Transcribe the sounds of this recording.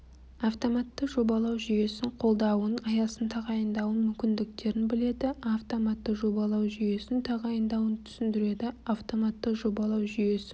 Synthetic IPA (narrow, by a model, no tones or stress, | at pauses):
aft̪o̞mɑt̪ːəqʒo̞bɑlˠɑwʒʏje̞sɪɴqʰo̞lˠd̪ɑwənɑjɑsənt̪ʰɑʁɑjənd̪ɑwənmʏmkʲɪnd̪ɪk̚t̪e̞ɾɪnbɪle̞d̪ɪaft̪o̞mɑt̪ːəʒo̞bɑlˠɑwʒʏje̞sɪnt̪ʰɑʁɑjənd̪ɑwənt̪ʰʏ̥sɪnd̪ɪɾe̞d̪ɪaft̪o̞mɑt̪ːəqʒo̞bɑlˠɑwʒʏje̞sɪ